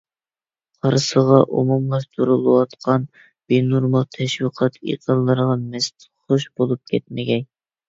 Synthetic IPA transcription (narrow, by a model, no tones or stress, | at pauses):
qʰɑɾsəʁɑʔṵmumɑst̪ʰuɾulˠɨwɑt̪qʰɑn | b̥enuɾmɑt̪ʰɛʃwiqʰɑt̪ḭqʰəlˠːɨɾʁɑmɛst̪ | χoʃbolˠup̚kʲɛt̪̚mɪɡʲɛn